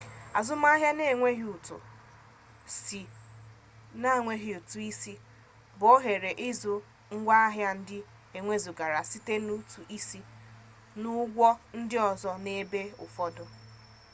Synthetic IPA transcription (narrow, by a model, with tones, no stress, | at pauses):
a˨zʊ˦m˦a˦ɦja˦ne˦˨ŋʷe˦ɦi˨u˨tʊ̰˨ | si˨ | na˦˨ŋʷe˦ɦi˨u˨tu˨i˦si˦ | bo˦ɦe˨ɾe˨ʔɪ˦zʊ˨ | ŋ̩˦ɡʷa˦a˦ɦja˦n̩˦dɪ˦ | e˨ŋʷe˦zu˨ɡa˨ɾa˨si˦te˦nu˦tu˨ʔi˦si˦ | nʊ˦ɡʷɔ˦n̩˦dɪ˦ɔ˨zɔ˦ne˦be˦ʊ̰˨fɔ˦dʊ˨